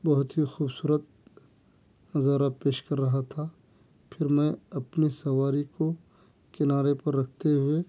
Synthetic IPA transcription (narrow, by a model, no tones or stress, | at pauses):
bɐɦʊt̪ɦixuːbsuːɾət̪̚ | nɐzaːɾapeːʃkɐɾːɐɦat̪ʰa | pʰɪɾmɛ̃ɐpnisɐʋaːɾiko | kɪnaːɾepɐɾːɐk̚ʰt̪eɦʊe